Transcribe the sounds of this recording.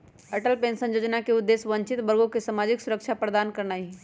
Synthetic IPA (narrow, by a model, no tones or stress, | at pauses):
ɐʈəlpẽːnsə̃njoːd͡ʒnakeʊd̪ːeːsʋə̃ɲt͡ʃɪt̪bəɾɡõkesamaːd͡ʒɪksʊɾəkʃʰapɾəd̪aːnkəɾnaːi